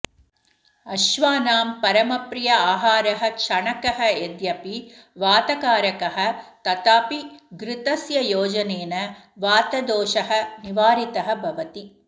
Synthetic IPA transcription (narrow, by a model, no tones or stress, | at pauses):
ɐʃʋaːnaːmpɐɾɐmɐpɾijɐaːɦaːɾɐɦɐ̆kʃɐɳɐkɐɦɐ̆ed̪jɐpi | ʋaːt̪ɐkaːɾɐkɐɦɐ̆t̪ɐt̪aːpiɡɾɪt̪ɐsjɐjoːd͡ʒɐneːnɐ | ʋaːt̪ɐd̪oːʃɐɦɐ̆niʋaːɾit̪ɐɦɐ̆bʱɐʋɐt̪i